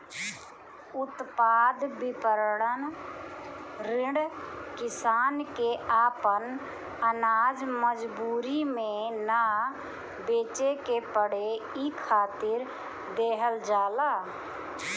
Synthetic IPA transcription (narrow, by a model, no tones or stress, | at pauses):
ʊt̪paːd̪bɪpəɾɽən | ɾɪɽkɪsaːnkeaːpən | ənaːd͡ʒməd͡ʒbuːɾimẽna | beːt͡ʃekepəɽeikʰaːt̪ɪɾ | d̪eːɦəld͡ʒaːlaː